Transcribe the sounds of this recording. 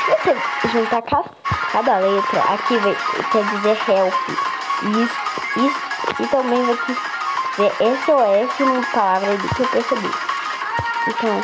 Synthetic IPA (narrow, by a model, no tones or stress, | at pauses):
voseʒũnt̪aka | kad̪ɐlet̪ɾɐ̰ʔa̰kiva̰kɛd͡ʒizehɛwfɪ̰ | is | isʊ̥ɪt̪ɐ̃mbẽj̃voti | zeɾʔesɪowɛesɪnũmpalavɾɐid̪ʊkewpeɾsebḭ | ẽt̪ɐ̃w̃